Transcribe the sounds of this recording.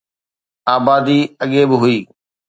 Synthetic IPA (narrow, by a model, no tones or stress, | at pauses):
aːbaːd̪iːɐɠebɪɦʊiː